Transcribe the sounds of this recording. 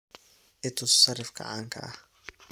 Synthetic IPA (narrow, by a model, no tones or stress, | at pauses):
ʔɪt̪ʰʊssɐrɪfɡɐ̰ʕa̰ːŋkʰɐ̰ʔɐh